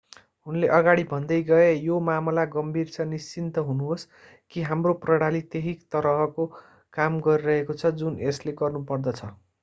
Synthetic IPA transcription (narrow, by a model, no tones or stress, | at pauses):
ɦunleʔʌɡaɽibʱʌnd̪ʌjɡʌejomamlaɡʌmbʱirt͡sʰʌnist͡sint̪ʌɦunuɦos | kiɦamroprʌɽalit̪eɦikt̪ʌɾʌɦʌko | kamɡʌɾiɾʌɦekot͡sʰʌd͡zunesleɡʌrnupʌrd̪ʌt͡sʰʌ